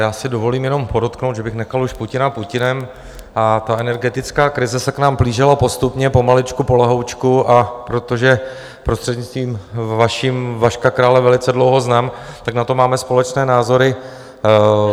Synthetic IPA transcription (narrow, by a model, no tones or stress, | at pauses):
jaːsɪdo̞vo̞liːmjɛno̞mpo̞dot̪kno̞wt̪d̪ʒɛbɪxnɛxaluʃpucɪnapucɪnɛm | ʔat̪aɛnɛɾɡɛt̪ɪt͡skaːkɾɪzɛsɛknaːmbliːʒɪlapo̞st̪upɲɛpo̞malɪt͡ʃkupo̞lɛɦowt͡ʃkuʔapɾo̞t̪o̞ʒɛ | pɾost̪r̥ɛdɲit͡st̪viːmvaʃimvaʃkakɾaːlɛvɛlɪt͡sɛdlowɦo̞znaːmt̪aknat̪o̞maːmɛspo̞lɛt͡ʃnɛːnaːzo̞ɾɪ